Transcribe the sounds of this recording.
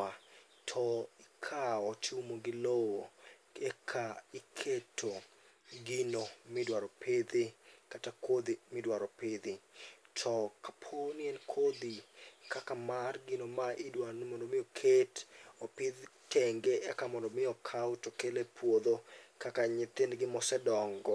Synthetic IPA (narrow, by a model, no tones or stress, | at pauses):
a | tʰɔɪkʰaɔt͡ʃumoɡɪlowo | ɛkʰaɪkʰetʰo | ɡɪnomɪdwaɾɔpɪd̪ɪkatakod̪imɪdwaɾɔpɪd̪ɪtʰɔkḁpʰonjɛnkʰod̪ikʰakamarɡɪnomaʔɪdwanmɔndomɪokʰetopɪd̪ | tʰeŋɡeɛkamɔndɔmɪjɔkʰawtɔkelepwod̪okakaɲɪt̪enɡɪmɔsɛdɔŋɡɔ